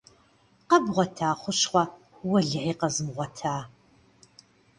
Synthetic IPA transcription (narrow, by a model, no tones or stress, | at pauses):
qɐbʁʷɔtʰaːχʷʊʃχʷɐ | wɐɮʕiːqɐzɨmʁʷɔtʰaː